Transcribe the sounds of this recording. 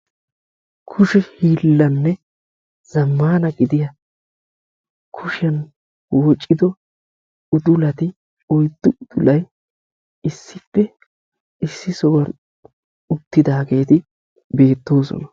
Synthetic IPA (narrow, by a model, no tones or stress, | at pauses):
kʰʊʃɛhiːlːɐnːɛ | z̥ɐmːaːnɐɡɪd̪ɪjɐ | kʰʊʃɛn | wɔt͡ʃʼːɪd̪ɔ | ʊd̪ʊlɐt̪ɪ | ɔjd̪ːʊʊd̪ʊlɐj | ɪsːɪpːɛ | ɪsːɪsɔɡɐɾ | ʊt̪ːɪd̪aːɡe̞ːt̪ɪ | be̞ːt̪ːo̞ːsɔ̰nɐ